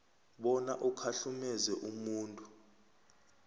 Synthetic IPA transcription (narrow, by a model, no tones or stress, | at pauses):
ɓɔnaʔukʰaɬumɛzɛʔumuːntʼu